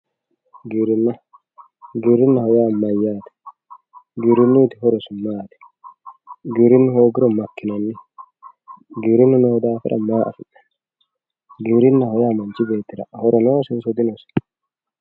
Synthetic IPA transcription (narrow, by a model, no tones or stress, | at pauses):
ɡiɾɪnːɐ | ɡiːɾɪnːɐhɔjaːmɐjːaːt̪ɛ̥ | ɡiɾɪnːuːt̪ɪɦɔɾɔsʊmaːt̪ɛ̥ | ɡiɾɪnːʊhoːɡɪɾɔmɐkːɪnɐnːɪ | ɡiːɾɪnːʊnɔhɔd̪aːfɪ̰ɾʔɐ̰maːʔɐ̰fɪʔɐ̥ | ɡiɾɪnːɐhɔjaːmɐnt͡ʃɪbe̞ːt̪ːɪɾɐ̰ʔhɔɾɔnoːsɪnsɔd̪ɪnɔs